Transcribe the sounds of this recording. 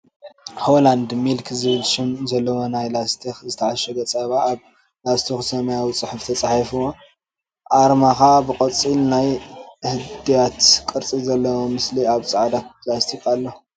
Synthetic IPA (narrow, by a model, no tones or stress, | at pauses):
holand̪milkʰzɨβɨlʃɪmzɐlːɐwonajlast̪ʰixzɨt̪ʰɐʕaʃɛɡ̪ɐt͡sʼɐβaːβ | last̪ʰixsɐmajawit͡sʼɨħuft̪ʰɐt͡sʼaħifɨwo | ʔaɾmakabɨkʼɐt͡sʼilnajhɨd̪ijat̪kʼɨɾt͡sʼizɐlːɐwomɨsliaβt͡sʼaʕd̪apʰlast̪ʰikʼalːo